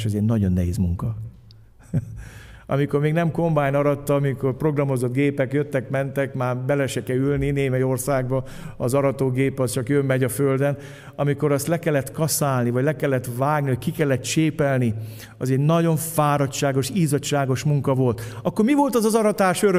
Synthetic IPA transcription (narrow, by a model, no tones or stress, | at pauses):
ʃɒzɛɟnɒɟo̞nːɛɦḛːzmuŋkɒ | ɒ̰miko̞rmeːɡnɛmko̞mbaːjnɒɾɒt̪ːɒmiko̞rpro̞ɡrɒmo̞zo̞d̪ɡeːpɛkjøt̪ːɛkmɛnt̪ɛkmaːrbɛlɛʃɛkɛylnineːmɛjo̞rsaːɡbɒ | ɒzɒɾɒt̪oːɡeːpɒst͡ʃɒkjømːɛɟɒføld̪ɛn | ɒmiko̞ɾɒst̪lɛkɛlːɛt̪kɒsaːlnivɒɟlɛkɛlːɛt̪vaːɡniʋɒckikɛlːɛt̪t͡ʃeːpɛlni | ɒzɛɟnɒɟo̞ɱfaːɾɒtʃaːɡo̞ʃiːzɒtʃaːɡo̞ʃmuŋkɒvo̞lt̪ɒkːormivo̞lt̪ɒzɒzɒɾɒt̪aːʃøɾø